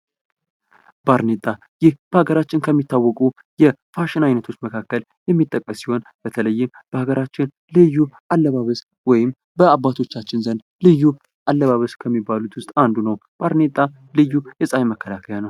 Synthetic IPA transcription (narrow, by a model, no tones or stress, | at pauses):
baɾnet̪ʼa | jɪhb̥əhaɡəɾat͡ʃːɪnkʰəmːit̪ːawːɔkʼu | jɛfaʃɪnajnət̪ʰo̞t͡ʃːməkʰakːəl | jɛmːit̪ʼːəkʼːəsːiho̞nb̥ət̪ʰələjːɪm | b̥əhaɡəɾat͡ʃːɪn | lɨjːuʔalːəβaβəs | wɔjɪm | bəabːat̪ʰo̞t͡ʃːat͡ʃːɪnzənd̪ | lɨjːu | ʔalːəβaβəskʰəmːibːalut̪wʊst̪ʼand̪unəwb̥aɾnet̪ʼa | lɨjːujɛsʼajməkʰːəlakʰəjanəw